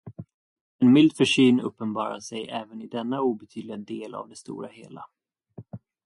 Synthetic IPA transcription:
ɛnmɪld̪fœʂyːnɵ̰pːənbɑːɾaʂɛjʔɛːvənɪd̪ɛnːauːbɛt̪ʰyːd̪lɪad̪eːla̰vd̪ɛst̪ṵːɾaheːla

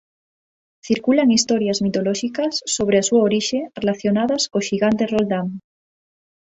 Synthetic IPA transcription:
θiɾkulaŋist̪oɾjazmit̪oloʃikasːoβ̞ɾeasuaoɾiʃerelaθjonaðaskoʃiɣant̪erold̪am

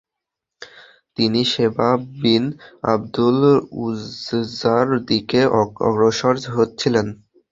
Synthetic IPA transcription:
t̪iniʃebabina̰bd̪uluzzaɾd̪ikeʔɔɔ̰ɡɾoʃoɾd͡ʑɦot̪ːɕʰilen

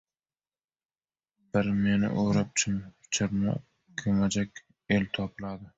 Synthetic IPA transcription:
b̥ɪɾme̞nɪ̰ʔoɾap̚t͡ʃʰʊmt͡ʃʰɪɾma̰ | kʲʰomad͡ʒakʲ | elt̪ʰɒpʰɪlad̪ɪ

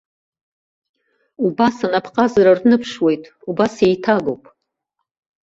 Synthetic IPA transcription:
ubasanapʰqʼazaɾarnɨpʰʂwe̞jtʼ | ubase̞jtʰaɡo̰wpʼ

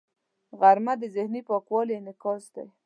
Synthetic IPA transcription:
ɣaɾmad̪əzɪhnipɑkwɑlenɪkɑsd̪a̰j

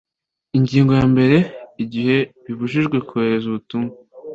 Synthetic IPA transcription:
iɲɟiːŋɡo̞jaːmbe̞ɾe̞iɟihe̞βiβuʒiʒɡwe̞kuheɾe̞zuβutuːŋɡa

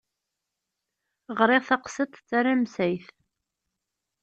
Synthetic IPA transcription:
ʁɾˤɪʁθɑqsət̪ˤt͡sːaɾamsæjθ

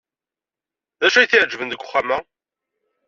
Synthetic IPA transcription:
ðæʃæjθiʕd͡ʒvənðəɡʷːʊχːamæ

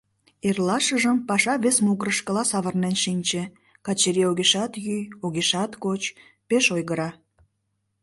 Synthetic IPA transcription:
erlɑʃəʒəmpɑʃɑβesmuɣəɾəʃkəlɑsɑβərnenʃinʲt͡ɕe | kɑt͡ɕeɾioɣeʃɑt̪jyjoɣeʃɑt̪kot͡ɕ | peʃojɣəɾɑ

